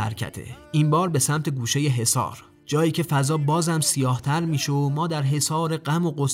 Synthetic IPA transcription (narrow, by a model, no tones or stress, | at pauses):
æ̰ɾcʰæ̰t̪ʰḛiːmbɒːɾbe̞sæmt̪ʰe̞ɡuːʃe̞jeɦe̞sɒ̰ːɾ | d͡ʒɒːjiːcʰe̞fæzɒːbɒːzæmsijɒːht̪ʰæɾmiːʃomɒːd̪æɾɦe̞sɒːɾe̞ɢæmoɢos